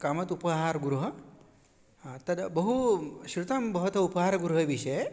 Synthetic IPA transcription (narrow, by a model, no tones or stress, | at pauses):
kamɐt̪upɐɦaːɾɡuɾuɦɐ | at̪ɐd̪bɐɦuʃɾut̪ɐmbɐɦut̪ɐupɐɦaːɾɡuɾuɦɐʋiʃɐje